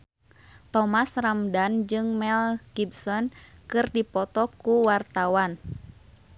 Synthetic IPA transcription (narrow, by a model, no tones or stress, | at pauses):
t̪ɔmasramdand͡ʒɨŋmɛlɡibsɔnkɨrdipɔt̪ɔkuwart̪awan